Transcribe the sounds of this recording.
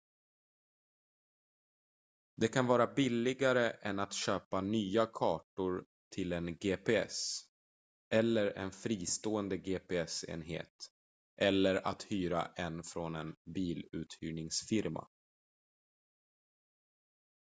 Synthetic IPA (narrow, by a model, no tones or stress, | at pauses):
d̪ɛkʰanvɑːɾabɪlːɪɡaɾəʔɛnat̪ɕøːpanyːakʰɑːʈʊɾ | t̪ʰɪlɛnɡeːpʰeɛ̰s | ʔɛlːəɾɛ̰nfɾiːst̪oːɛnd̪əɡeːpʰeɛsḛːnɦḛːt̪ | ʔɛlːəɾa̰t̪hyːɾa̰ʔɛnfɾɔnɛnbiːlʉ̟ːt̪hyːɳɪŋsfɪɾma̰